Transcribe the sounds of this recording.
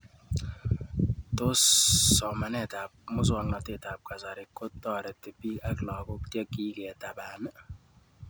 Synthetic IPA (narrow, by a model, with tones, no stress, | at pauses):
to˦sːɔ˨ma˨nɛ˨ta˨p̚mʊ˦s̬wɔ˦˨ŋnɔ˨tɪ˨ta˨p̚ka˨sa˨ɾɪ˨kːo˦tːɔ˦˨ɾɛ˨te˨pi˦a˨klɔ˨kʊ˦ktjɛ˦kːi˦kɛ˨ta˨ba˨n˦